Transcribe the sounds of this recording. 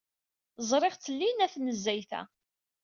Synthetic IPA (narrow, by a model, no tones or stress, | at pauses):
zˤɾˤeʁt͡sːəlːinæθnəzːæjθæ̰